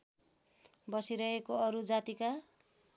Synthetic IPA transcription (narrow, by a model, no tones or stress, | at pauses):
bʌsiɾʌɦekoʌɾud͡zat̪ika